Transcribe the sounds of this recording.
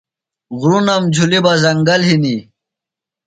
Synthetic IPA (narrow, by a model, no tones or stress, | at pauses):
ɣɾunɐmd͡ʑʱulibɐzɐŋɡɐlɦini